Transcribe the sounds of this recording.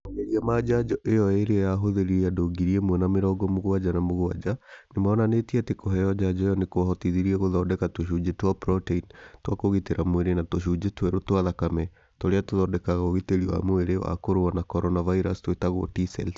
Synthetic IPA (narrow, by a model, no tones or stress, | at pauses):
aeɾiamad͡ʒad͡ʒɔʔejɔeɾeɔjaɦoðeɾiɾɛjadoɡiɾiemwɛnameɾɔɡɔmoɣwad͡ʒanamoɣwa̰d͡ʒanemaɔnanetiatekɔɦɛjɔd͡ʒad͡ʒɔejɔnekoaɦɔtiðiɾiɛɣoðɔːdɛkatoʃ̬ud͡ʒetwapɾɔteintwakoɣeteɾamweɾenatoʃ̬ud͡ʒetwɛɾotwaðakamɛ | toɾeatoðɔdɛkaɣaoɣeteɾiwa̰moeɾew̰a̰koɾoanakɔɾɔnavaiɾastowetaɣo̰tisɛ̰l